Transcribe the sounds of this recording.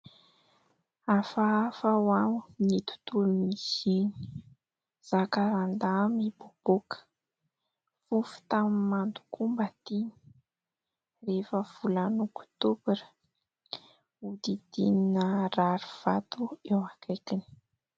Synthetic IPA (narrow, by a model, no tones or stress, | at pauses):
afaafawamnit̪u̥t̪ulumizenii̥ | z̥akaɾand̪amibob̥okə̥ | fufu̥t̪amimand̪u̥kumbat̪ini̥ | refəv̥ulanokt̪ubiɾə̥ | ud̪id̪̥ḭninəraɾuv̥at̪uewakʰajkini̥